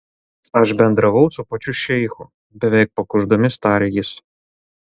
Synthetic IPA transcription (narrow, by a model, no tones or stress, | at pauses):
ɐʃbʲɛnd̪ɾɐʋɐʊt̪sʊpɐt͡ʃʲʊʃʲɛjxʊ | bʲɛʋʲɛɪk̚pɐkʊʒd̪ɔmʲɪst̪ɑːɾʲɪjɪs